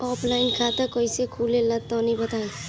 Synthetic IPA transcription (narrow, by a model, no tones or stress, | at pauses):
ɔːpʰlaːɪnkʰat̪akɔisekʰulelət̪ːɔnĩbət̪aːe